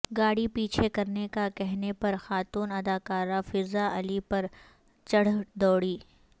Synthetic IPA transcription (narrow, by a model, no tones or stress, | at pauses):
ɡaːɽipiːt͡ʃʰekɐɾnekakɛɦnepɐɾxaːt̪uːnɐd̪aːkaːɾafɪɾzaʔɐlipɐɾ | t͡ʃɐɽ̤d̪ɔːɽiː